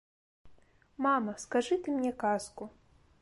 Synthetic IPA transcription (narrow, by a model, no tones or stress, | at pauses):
mamɐskaʐɨt̪ɨmnʲɛkasku